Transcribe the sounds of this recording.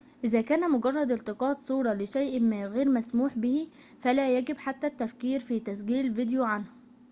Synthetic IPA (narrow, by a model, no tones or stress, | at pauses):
ʔɪzæːkæːnæmʊɡɑrˤːɑd̪ɪlt̪ɪqɑːt̪sˤuːɾˤɑlɪʃæjʔmɣeːɾmæsmuːħbɪhi | fælæːjæɡɪbħat̪ːæt̪ːæfkiːɾfit̪æs̬ɡiːlvɪd̪juʕanhʊ